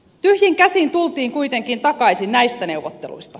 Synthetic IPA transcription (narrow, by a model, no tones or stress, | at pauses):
t̪yhjiŋkæsint̪ult̪iːŋkujt̪e̞ŋkint̪ɑkɑjsinnæjst̪æne̞wʋot̪ːelṵjst̪ɑ̥